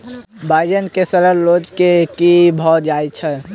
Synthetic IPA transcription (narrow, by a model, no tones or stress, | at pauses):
bʱaːɪd͡ʒənkesəɾəɾloːd͡ʒkekibʱɔːt̪̚d͡ʒaːjt͡ʃʰɛ